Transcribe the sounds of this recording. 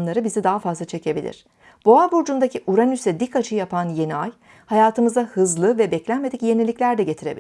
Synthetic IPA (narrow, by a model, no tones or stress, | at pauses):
nlˠaɾɯbizid̪aɦafazlˠat͡ʃʰe̞cʰe̞bilʲḭɾ̝̥ | b̥oabuɾd͡ʒund̪acʰiʔuɾanysɛd̪ikat͡ʃʰɯjapʰanjeniaj | hajaːt̪ʰɯmɯzahɯzlˠɯvɛbɛclʲænme̞d̪icje̞nilʲiclʲæɾd̪ɛɟe̞t̪ʰiɾe̞bḭ